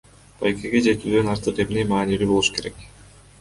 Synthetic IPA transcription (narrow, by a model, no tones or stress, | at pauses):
b̥ajkeɡe̞d͡ʒe̞t̪yːd̪ø̞nɑɾt̪ɯqe̞mne̞jmɑːnilybo̞lˠuʃu̥kʰe̞ɾe̞k